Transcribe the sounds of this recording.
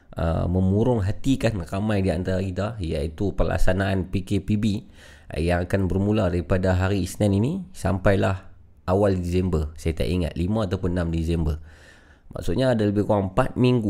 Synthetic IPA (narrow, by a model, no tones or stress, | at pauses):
ə̰mə̃muɾʊŋɦat̪ikanramajdiant̪aɾakit̪aija̰it̪upərla̰ksanaanpikepibḭ | jaŋakanbərmuladaɾipadaɦaɾiːsnaninisampajlah | awaldisɛmbərsajat̪a̰ʔiŋa̰t̪̚limãːt̪awpʊnːamdizɛmbər | ma̰ksut̪̚ɲaːdaləbɪhkuɾaŋpat̪̚miŋɡu